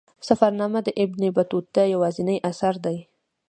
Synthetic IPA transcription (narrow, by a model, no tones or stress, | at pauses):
safaɾnɑmad̪əʔɪbnibat̪ut̪̚d̪ajawɑzɪnəjʔasaɾd̪aj